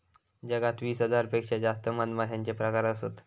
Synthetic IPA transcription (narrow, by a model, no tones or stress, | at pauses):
d͡ʑəɡat̪ʋiːsɦəd͡zaɾpekʂad͡zast̪əmənd̪mad̪ʰʱjaɲt͡ɕepɾəkaɾəsət̪